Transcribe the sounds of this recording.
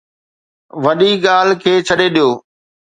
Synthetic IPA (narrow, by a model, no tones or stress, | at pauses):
ʋɐɗiɠaːlkʰeːt͡ɕʰɐɗeɗijoː